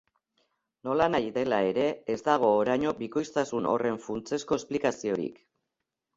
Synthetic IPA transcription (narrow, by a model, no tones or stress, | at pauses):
no̞lanajðe̞lae̞ɾe̞ːzd̪aɣ̞o̞ːɾajɲo̞biko̞jst̪asuno̞̰re̞ɱfunt͡se̞sko̞esplikasio̞ɾḭk